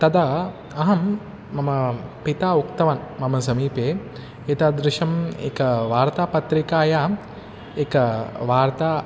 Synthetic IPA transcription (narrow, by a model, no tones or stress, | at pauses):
t̪ɐd̪ɐ | ɐɦɐmː | ɐmɐpit̪aːukt̪ɐʋɐnmɐmɐsɐmiːpeː | et̪ɐd̪ɾɪʃɐmḛkɐʋaːɾt̪aːpɐt̪ɾikaːjaː | ekɐʋaːɾt̪aː